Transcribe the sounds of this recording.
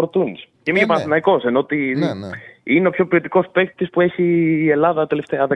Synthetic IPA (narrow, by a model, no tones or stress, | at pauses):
ɾt̪unis | cemiepɐnɐθinɐiko̞senot̪i | ineo̞pço̞pio̞t̪iko̞spe̞kt̪i̥t̪ispue̞çiːe̞lɐðɐt̪e̞left̪eɐðe